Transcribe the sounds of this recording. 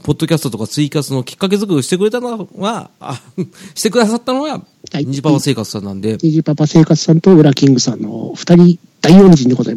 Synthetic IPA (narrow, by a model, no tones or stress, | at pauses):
po̞d̪ːo̞kʲasɨ̥t̪ot̪o̞kat͡sɨikat͡sɨno̞kʲi̥kːak̬e̞zɨkɯ̟ɯ̟ɕi̥t̪e̞kɯ̟ɾe̞t̪anoɡa | ɕi̥t̪e̞kɯ̟d̪asat̪ːano̞ɡa | ɲiʑipapase̞ːkat͡sɨ̥sãnːã̰nd̪e̞ɲiʑipabase̞ːkat͡sɨ̥sãnt̪o̞ɯ̟ɾakʲĩŋɡɯ̟sãnːo̰ɸɯ̟̥t̪aɾʲi | d̪̥aioːnzĩnd̪eɡoza̰im